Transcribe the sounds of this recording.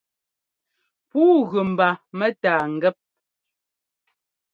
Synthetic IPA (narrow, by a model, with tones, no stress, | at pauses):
puː˦ɣʉ˨m̩˨ba˨mɛ˦taː˨ŋ̩˨ɡɛ˦p̚